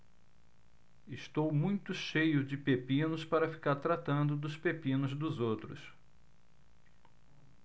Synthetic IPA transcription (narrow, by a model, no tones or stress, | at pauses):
ɪst̪owmũj̃t̪ʊʃejʊd͡ʒɪpepĩnʊspaɾɐfi̥kaɾt̪ɾat̪ɐ̃nd̪ʊd̪ʊspepĩnʊzd̪ʊzowt̪ɾʊ̰s